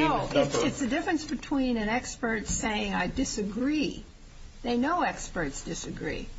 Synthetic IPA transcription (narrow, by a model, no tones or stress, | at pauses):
oʊɪtsɪtsɨdɪfɹɨ̃nsb̥ɨtʰw̥ĩnɨ̃nɛkspə˞tseɪɪ̃ŋaɪdɪsɨɡɹi | ðeɪnoʊɛkspə˞tsd̥ɨsɨɡɹḭ